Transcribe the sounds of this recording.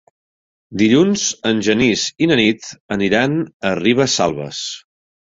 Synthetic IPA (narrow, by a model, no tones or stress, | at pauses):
d̪iʎunzənʲʒənizinənit̪əniɾanəriβ̞əsa̰lˠβə̰s